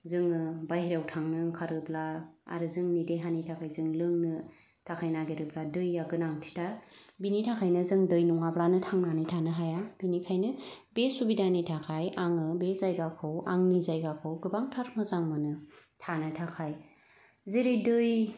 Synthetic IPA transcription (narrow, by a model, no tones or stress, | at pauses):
zɯŋɯbajhiɾawtʰaŋnɯkʰaɾɯblaa̰ɾɯzɯŋnideɦanitʰakʰajzɯŋlɯŋnɯ | tʰakʰajnaɡeɾɯbladɯjːaɡɯnaŋtʰi̥tabinitʰakʰajnɯzɯŋdɯjnuŋablanɯtʰaŋnanitʰanɯɦajab̥inikʰajnɯbesubidanitʰakʰajaŋɯbezajɡakʰɯwa̰ŋnizajɡakʰɯwɡɯbaŋtʰaɾmɯzaŋmɯnɯ | tʰanɯtʰakʰaj | zeɾɯjdɯj